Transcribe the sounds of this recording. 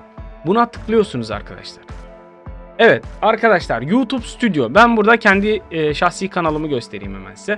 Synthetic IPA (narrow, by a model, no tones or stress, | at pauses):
bunat̪ʰɯ̥klˠɯjo̞ɾsunuza̰ɾkʰad̪a̰ʃlˠaɾ̥ | ɛvɛt̪aɾkʰad̪aʃlˠaɾjuːt̪ʰupsy̥t̪ʰyd̪jo̞bænbuɾd̪acʰɛnd̪iːʃaxsikʰanalˠɯmɯɟø̞st̪ʰe̞ɾḭːmḛmæ̰sːɛ